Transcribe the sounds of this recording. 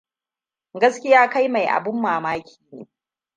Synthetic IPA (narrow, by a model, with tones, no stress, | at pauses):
ɡɐ˦skʲɪ˦jaː˦ka˦jma˨jʔa̰˨bɪ˦mːaː˨maː˦kʲʰi̥ː˨nḛː˦